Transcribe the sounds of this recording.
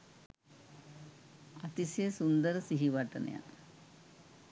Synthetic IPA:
ɐt̪isjesund̪ɐɾɨsiɦiʋaːʈːɐn̰ja̰n

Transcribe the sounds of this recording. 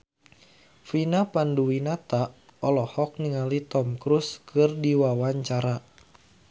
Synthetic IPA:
finapanduwinat̪aʔɔlɔhɔk̚niŋalit̪ɔmkɾuskʰɨrdiwawaɲt͡ʃaɾa

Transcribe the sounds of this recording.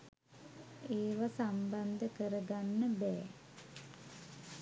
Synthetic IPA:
eːʋasamband̪əkəɾəɡanːəbɛː

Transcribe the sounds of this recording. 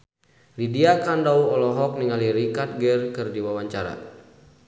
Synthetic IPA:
lidiakandauɔlɔɦɔk̚niŋaliɾikat̪̚ɡɛrkɨrdiwawaɲt͡ʃaɾa̰

